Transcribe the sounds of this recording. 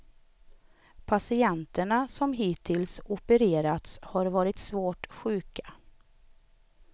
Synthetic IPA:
pʰasɪɛnt̪əɳasɔmɦiːt̪ʰːɪlsʊpəɾeːɾat̪shaɾvɑːɾɪt̪svoːʈɧʉ̟ːkḁ

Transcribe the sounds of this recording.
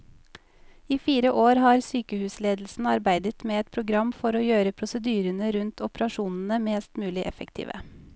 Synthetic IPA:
iːfiːɾəʔoːɾhɑːɾsyːkəhʉːsleːd̪l̩sn̩ɑɾbæɪd̪ət̪meːɛt̪̚pʰɾʊɡɾɑmfɔɾoːjøːɾəpʰɾʊsəd̪yːɾənəɾʉnt̪ʰʊpɾɑʃuːnn̩əmeːst̪mʉːlɪʔɛfəkt̪ʰḭːʋʔə̰

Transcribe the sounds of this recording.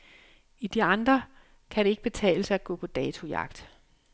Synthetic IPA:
id̥iɑ̈nd̥ʁɐ | kʰæɾe̝e̝ɡ̥̚b̥e̝t͡sʰɛ̰ːləsɐæɡ̥ɔ̰̽ːpʰɒ̽d̥ɛːt͡sʰo̝jɑ̈ɡ̥d̥

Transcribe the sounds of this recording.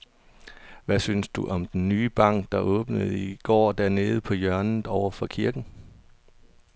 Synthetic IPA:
ʋæsynsd̥uʔɒ̽md̥enːyːb̥ɑ̈ŋ̰ɡ̥̚d̥ɑ̈ʔɔ̽ːb̥nəð̞̩ˠiɡ̥ɒ̰ːd̥æɐ̰ne̝ːð̞̩ˠpʰɒ̽jɶɐnð̩ˠɒʊɐfɒ̽kʰiɐɡ̥n̩

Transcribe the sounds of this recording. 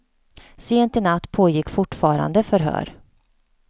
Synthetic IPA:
seːnt̪ɪnat̪ːpʰoːjɪkːfʊʈfɑːɾa̰nd̪əfœɾɦœ̰ːɾ

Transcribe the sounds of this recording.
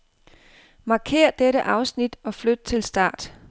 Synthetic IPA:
mɑ̈kʰe̝̰ːɐ̰d̥eɾəʔɑ̈ʊsnid̥ɒ̽flød̥̚t͡sʰe̝lsd̥ɑ̰̈ːd̥

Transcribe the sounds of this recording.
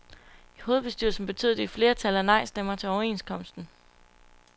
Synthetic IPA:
iho̝ːð̞̩ˠb̥e̝sd̥yɐ̰sn̩b̥e̝t͡sʰy̰ðˠd̥e̝ifle̝ːɐt͡sʰæləænɑ̈ɪ̰sd̥emɐt͡sʰe̝ɒʊɐe̝̰nskʰɒ̽m̰sd̥n̩

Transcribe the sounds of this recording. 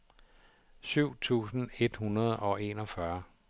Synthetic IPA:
syʊ̰t͡sʰṵːsn̩e̝d̥hunɐð̞ˠɒ̽e̝̰ːnɒ̽fɶɐ

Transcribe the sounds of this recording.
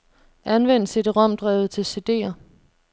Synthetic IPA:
ænʋen̰sed̥eʁɒm̰d̥ʁɛːʊð̩ˠt͡sʰe̝lse̝d̥e̝̰ːɐ

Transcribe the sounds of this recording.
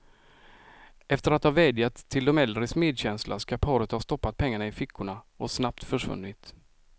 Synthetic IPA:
ɛft̪əɾat̪hɑːvɛːd̪jat̪ʰːɪld̪ɔmɛld̪ɾəsmeːd̪ɕɛnslʔa̰skapʰɑːɾət̪hast̪ɔpːat̪̚pʰɛŋːaɳaɪfɪkːʊɳaʔɔsnap̚t̪fœʂvɵ̰nːɪt̪

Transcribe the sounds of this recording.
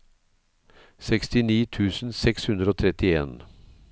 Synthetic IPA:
sɛkst̪ɪniːt̪ʰʉːsn̩sɛkshʉnd̪ɾəoːt̪ʰɾɛt̪ɪḛːn

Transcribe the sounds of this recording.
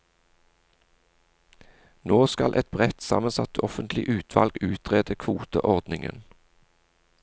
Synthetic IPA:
noːskɑlʔɛt̪̚bʁɛt̪sɑ̰ːmənsɑt̪ɔfənt̪lɪʔʉːt̪ʰʋɑlɡʉːt̪ʰʁeːd̪əkʰʋuːt̪əʔɔʁd̪nɪŋə̰n

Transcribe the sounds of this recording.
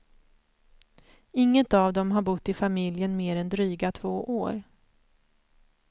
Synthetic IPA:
ɪŋːət̪avd̪ɔmɦaɾbʊt̪ːɪfamɪljənmeːɾɛnd̪ɾyːɡat̪ʰv̥oːʔoːɾ

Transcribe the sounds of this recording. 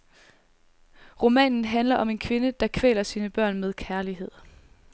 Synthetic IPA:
ʁo̝mɛ̰ːnn̩ɦænlɐʔɒ̽me̝nkʰʋe̝nəd̥ɑ̈kʰʋḛːlɐsiːnəb̥ɶɐ̰nmeðˠkʰæɐliɦe̝ð̞̰ˠ

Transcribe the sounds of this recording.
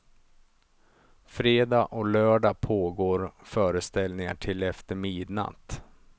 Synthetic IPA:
fɾeːd̪aːʔɔlœːɖaːpʰoːɡoːɾfœːɾəst̪ɛlnɪŋaʈʰɪlɛft̪əɾmiːd̪na̰t̪

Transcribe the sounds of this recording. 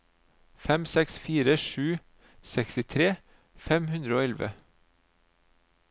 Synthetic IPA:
fɛmsɛksfiːɾəʃʉː | sɛksɪt̪ʰɾeː | fɛmhʉnd̪ɾəoːɛlʋə̰

